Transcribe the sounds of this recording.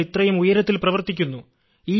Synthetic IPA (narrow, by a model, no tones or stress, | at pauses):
it̪rɐjumujɐɾɐt̪̬ːilprɐʋɐrt̪ːikʲːunːu | iː